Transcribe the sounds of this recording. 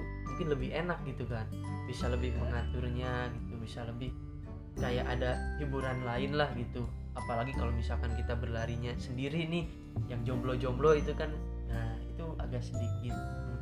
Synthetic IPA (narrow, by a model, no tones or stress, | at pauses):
muŋkɪnləbɪɦenak̚ɡit̪ukan | bisaləbɪhpəŋat̪ʊrɲaɡit̪ubisaləbɪh | kajaʔadahibuɾanlaɪnlahɡit̪u | apalaɡikalomisalkankit̪abərlaɾiɲasəndiɾinɪh | jaŋd͡ʒɔmblod͡ʒɔmbloit̪ukan | əit̪ua̰ɡaʔsədik̚ɪt̪̚